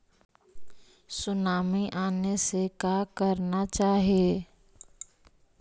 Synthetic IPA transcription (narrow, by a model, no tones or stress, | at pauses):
sʊnaːmiʔaːnesekaːkəɾnat͡ʃaːɦie